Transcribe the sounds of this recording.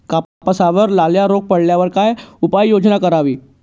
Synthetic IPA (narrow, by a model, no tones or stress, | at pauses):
kapapəsaʋəɾlaljaɾoɡ̚pəɽljaʋəɾkajupajjod͡ʑnakəɾaʋiː